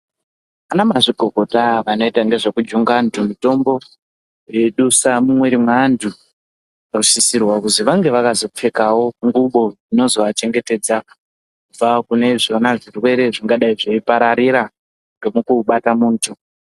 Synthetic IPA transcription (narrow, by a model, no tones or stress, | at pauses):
anamaʐiɡʱo̞ko̞taʋano̞itaŋɡe̞ʐe̞kud͡ʒuŋɡaːntʰumito̞mbo̞ | jeɗusamumwe̞ɾimwaːndʰʱu | akuʃisirwakuziʋaŋɡe̞ʋakazo̞p͡fe̞kawo̞ŋɡuɓo̞ino̞zo̞ʋat͡ʃe̞ŋɡe̞te̞ːd͡za | kub͡vakune̞ʐianaʐirwe̞ɾe̞ʐiŋɡaɗaiʐeipaɾaɾiɾa | ŋɡemukuɓatamuːntʰu